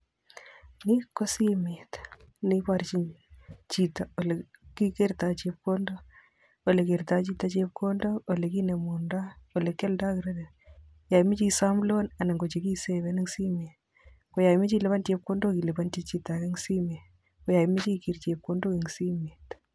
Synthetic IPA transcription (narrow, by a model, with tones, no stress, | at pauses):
ni˦kːo˦si˦me˨t̪ | ni˦pa˨ɾt͡ʃi˦ɲt͡ʃi˨ta˨o˨le˨ki˦ke˦ɾt̪a˨t͡ʃep̚ko˦ndo˦ | o˨le˨ke˨ɾt̪a˦t͡ʃi˦ta˨t͡ʃe˦p̚kʰo˦ndo˦o˨le˨ki˦ne˨munda˦o˨le˨kːe˦lda˦kɪ˨ɾa˦de˨ | ja˨mɪ˦t͡ʃi˦sa˦mlo˦na˨na˨ŋɡo˨t͡ʃi˨ki˦seβɛ˦nɪ˦ŋsi˦me˨t | ko˨ja˨mɪ˦t͡ʃi˦le˦βa˦nte˧p̚ko˦ndo˦ki˨le˨ba˦nti˦t͡ʃi˦ta˨ke˦ŋsi˦me˨ | ko˨ja˨mi˦t͡ʃi˦ki˨ɾt͡ʃe˨p̚ko˦ndo˦kiŋsi˦meː˨t̪